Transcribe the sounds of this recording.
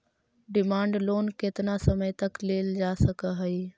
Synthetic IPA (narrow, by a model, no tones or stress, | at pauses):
ɖɪmaːɳɖloːnket̪nasəməjt̪əkleːld͡ʒasəkəɦəi